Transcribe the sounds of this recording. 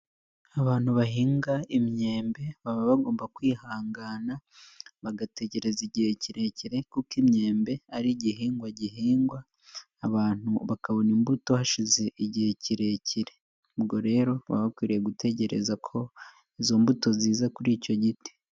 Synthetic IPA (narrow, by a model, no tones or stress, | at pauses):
aβaːn̥huβaɦiːŋɡaimɲe̞ːmbe̞βaβaβaɡo̞ːmbakwiːhaːŋɡanaβaɡate̞ce̞ɾe̞ziɟiheciɾe̞ciɾe̞kukimɲe̞ːmbe̞aɾiɟiɦiːŋɡwaɟiɦiːŋɡwaː | βaːn̥uβakaβo̞nimbuto̞haʃize̞ʔiɟiheciɾe̞ciɾe̞̥ | ubɡo̞ɾe̞ːɾo̞βa̰βakwiːɾieɡutʰe̞ce̞ɾe̞̰zakʰo̞ | izo̞mbuto̞ziːzakuɾiːco̞ɟiti̥